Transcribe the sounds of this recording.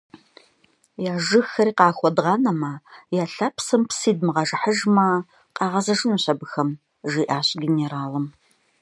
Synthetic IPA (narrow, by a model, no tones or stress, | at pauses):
jaːʒɨxɐɾiːqɑːxʷɔdʁɑnɐmɐjaːɬapsɨmpsiːdmɨʁɐʒɐħəʒmɐ | qɑːʁɐzɐʒɨnuɕɐbɨxɐm | ʒiːʔaːɕɡʲeneɾaːlɨm